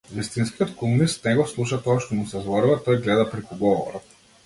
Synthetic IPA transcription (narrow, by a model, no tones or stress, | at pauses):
vist̪inskijɔt̪kumˠunist̪nɛɡɔslˠuʃat̪ɔaʃt̪ɔmusɛzvɔɾuvat̪ɔjɡlɛd̪apɾɛkuɡɔvɔ̰ɾɔt̪̚